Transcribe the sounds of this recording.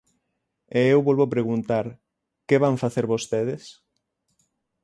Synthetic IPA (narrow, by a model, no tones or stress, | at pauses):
eewβɔlβopɾeɣunt̪aɾ | keβaɱfaθeɾβost̪eðes